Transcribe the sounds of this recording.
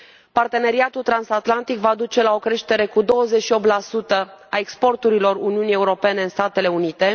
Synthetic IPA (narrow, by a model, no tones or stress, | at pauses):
part̪e̞ne̞ɾiat̪ult̪ɾansat̪lant̪ikvad̪ut͡ʃe̞lao̞kɾe̞ʃt̪e̞ɾe̞kud̪o̞wəzet͡ʃʃio̞p̚t̪lasut̪əaekspo̞rt̪uɾilo̞runiunije̞uɾo̞pe̞ne̞ɨnst̪at̪e̞le̞unit̪e̞